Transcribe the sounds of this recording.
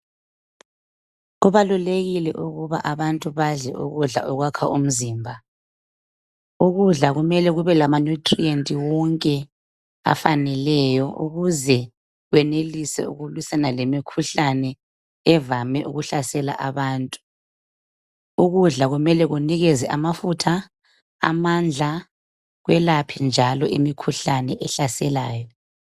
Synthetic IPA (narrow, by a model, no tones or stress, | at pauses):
ɣuβaluleɣilɛ̰ʔuɣuβaʔaβantʼuβaɮɛ̰ʔṵɣuɮa̰ʔɔɣwakʰaʔum̩ziːmbʱa | uɣuɮaɣumɛlɛɣuβɛlamanutʼrientʼiwɔŋkʼɛ | a̰fanɛlɛjɔʔṵɣuzɛ | ɣwɛnelisɛ̰ṵɣulwisanalemikʰuɬanɛː | vamɛʔuɣuɬasɛla̰ʔaβaːntʼu̥ | uɣuɮaɣumɛlɛɣuniɣɛzɛʔamafutʰa | a̰mand͡ɮʱa | ɣwɛlapʰind͡ʒʱalɔʔimikʰuɬanɛʔɛɬasɛlaːjɔ